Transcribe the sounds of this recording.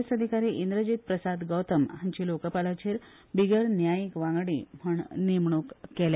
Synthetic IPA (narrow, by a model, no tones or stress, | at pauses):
səd̪ʱikaɾiːʔind̪ɾəd͡ʑiːt̪̚pɾəsad̪ɡəwt̪əmɦãɲt͡ɕiːlokəpalat͡ɕeːɾ | biɡəɾnjajikʋãŋɡɽḭːm̤əɳnimɳukːela